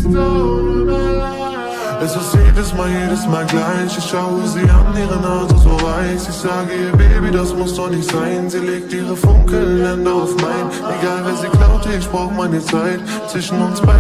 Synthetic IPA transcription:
ɛsɪstjeːdəsmaːljeːdəsmaːlɡlaɪçɪçʃaʊəziːʔaniːʁənalzozoːvaɪsɪçz̥aːɡəiːbeːbidasmʊsdɔχnɪçtz̥aɪnziːleːk̚tiːʁəfʊŋkl̩ɛndɐaʊfmaɪn | eɡaːlvɛːziːɡlaʊp̚tʰəɪçb̥ʁaʊxmaɪnit͡saɪt | t͡sv̥ɪʃn̩ʊnsb̥a

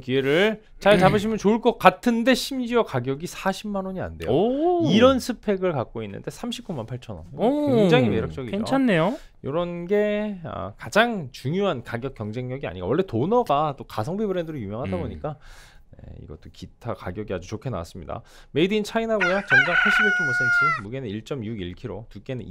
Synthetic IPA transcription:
kie̞ɾɯɭ | t͡ɕaɭt͡ɕabɯɕ̬ʰimjʌnt͡ɕoɯɭk͈ʌk͈atʰɯnde̞ɕʰimd͡ʑiʌkaɡjʌɡisʰaɕʰimːanoɲia̰nde̞joiɾʌnsʰɯpʰe̞ɡɯɭkak̚k͈oinːɯ̰nde̞sʰamɕʰi̥p̚k͈umanpʰaɭt͡ɕʰʌnʌ̰neŋd͡ʑaŋime̞ɾjʌk̚t͡ɕ͈ʌɡienoanːe̞jo | joɾʌnɡe̞ʌ̰kad͡ʑaŋt͡ɕuŋjoɦankaɡjʌk͈jʌŋd͡ʑe̞ŋɲjʌɡia̰ɲik͈a̰wʌɭːe̞tonʌɡat͈okasʰʌŋbibɯɾe̞ndɯɾɯjumjʌŋɦadaboɲik͈ane̞̰ḭɡʌt͈okitʰakaɡjʌɡiad͡ʑut͡ɕokʰe̞na̰wa̰s͈ɯmɲida̰ | me̞idɯint͡ɕʰainɦaɡojat͡ɕʌnd͡ʑaŋpʰaɭɕ͈ʰibekʰɯnmos͈ent͡ɕʰimuɡe̞nɯniɭt͡ɕ͈ʌmjuɡiɭkʰiɾotuk͈e̞nɯn

